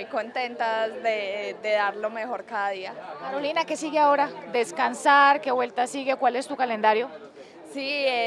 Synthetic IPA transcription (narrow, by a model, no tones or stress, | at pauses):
ojko̞nt̪e̞nt̪azd̪ed̪e̞ðaɾlo̞mexo̞ɾkaðaðiakaɾo̞linake̞siɣeao̞ɾad̪e̞skansaɾke̞βwe̞lt̪asiɣe̞kwale̞st̪ukale̞nd̪aɾjo̞ | sie